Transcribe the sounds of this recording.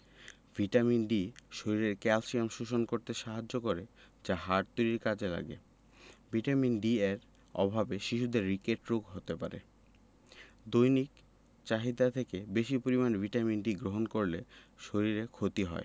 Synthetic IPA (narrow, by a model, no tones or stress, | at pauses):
vʱiʈaminɖiʃoɾiɾeɾkɛlsiamʃuʃonkoɾt̪eʃaɦad͡ʑːokoɾe | d͡ʑaɦaɾt̪uɾiɾkad͡ʑʰela̰ɡḛ | bʱiʈaminɖiɛɾ | ɔ̰bʱabeʃiʃud̪eɾːikeʈɾukɦot̪epa̰ɾḛ | d̪ojnik | t͡ɕaɦid̪at̪ʰekebeʃipoɾimanvʱiʈaminɖiɡɾoɦonkoɾleʃoɾiɾekʰot̪iɦɔ̰e